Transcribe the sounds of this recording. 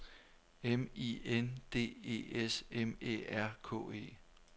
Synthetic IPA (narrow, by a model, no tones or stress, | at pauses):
emiend̥e̝̰ːe̝̰ːesemḛæɐ̰kʰɔ̰̽ːe̝̰ː